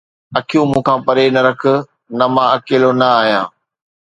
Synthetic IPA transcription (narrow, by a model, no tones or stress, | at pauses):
ɐkʰijũmũːkʰãːpɐɾenɐɾɐkʰʊ̆ | nɐmãɐkeːlonɐaːɦjãː